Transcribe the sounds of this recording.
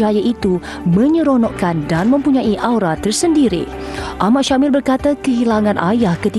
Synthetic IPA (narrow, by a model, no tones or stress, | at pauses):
ajaʔit̪u | mə̃ɲə̃ɾonɔʔkandanmə̃mpuɲãʔiʔawɾat̪ərsəndiɾḭ | ʔamaʔʃamɪlbərkat̪akəɦilaŋãnʔajahkət̪i